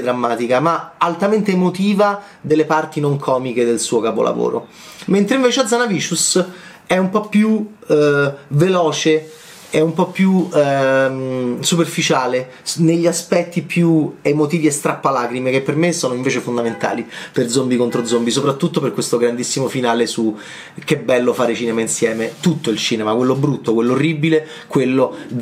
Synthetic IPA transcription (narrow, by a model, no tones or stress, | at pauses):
d̪ɾamːaːt̪ikamaalt̪ament̪eːmot̪iːva | d̪elːepart̪inoŋkʰɔːmiked̪elsuːokapo̰lʔa̰vo̰ːɾo̰ | ment̪ɾeiɱveːt͡ʃead̪zanaviːsus | ɛumpɔpːju | velɔːt͡ʃe | ɛumpɔpːju | msuperfit͡ʃaːle | neʎːiaspɛt̪ːipjuemot̪iːviest̪ɾapːalaːkɾimek̟epːermesɔːnoiɱveːt͡ʃefond̪ament̪a̰ːliperd̪zombikont̪ɾod̪zombisopɾat̪ːut̪ːoperkːwest̪oɡɾand̪isːimofinaːlesu | k̟ebːɛlːofaːɾet͡ʃiːnemainsjɛːmet̪ut̪ːoilt͡ʃiːnemakwelːobɾut̪ːokwelːoorːibile | kwelːo